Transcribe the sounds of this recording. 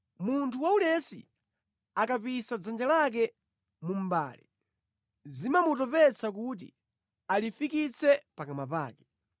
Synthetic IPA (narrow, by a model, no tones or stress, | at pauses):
muntʰuwauɗɛsḭ | akapisad͡zand͡ʒalak̬ɛ | mum̩ba̰ːli | zimamutɔpɛt͡sakut̬ḭ | alifikit͡sʰɛpakamapa̰ːkɛ